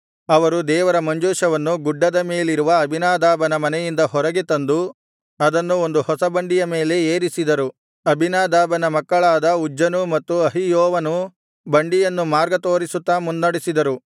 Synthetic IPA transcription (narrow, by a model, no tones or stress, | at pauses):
ɐʋɐɾud̪ɛːʋɐɾɐmɐɲd͡ʒuːʃɐʋɐnːuɡuɖːɐd̪ɐme̞ːliɾuʋɐɐbʱinaːd̪aːbɐnɐmɐnɛjind̪ɐɦɔɾɐɡet̪ɐnd̪u | ɐd̪ɐnːuond̪uhɔsɐbɐɳɖijɐme̞ːle̞eːɾisid̪ɐɾu | ɐbʱinaːd̪aːbɐnɐmɐkːɐɭaːd̪ɐud͡ʒːɐnumɐt̪ːuɐɦijoːʋɐnu | bɐɳɖijɐnːumaːɾɡɐt̪o̞ːɾisut̪ːaːmunːɐɽisid̪ɐɾu